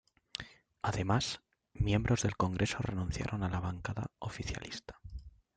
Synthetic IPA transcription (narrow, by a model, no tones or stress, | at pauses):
aðe̞mas | mje̞mbɾo̞zðe̞lko̞ŋɡɾe̞sore̞nũnθja̰ɾʔo̞nalaβaŋkaða̰ofiθja̰list̪ḁ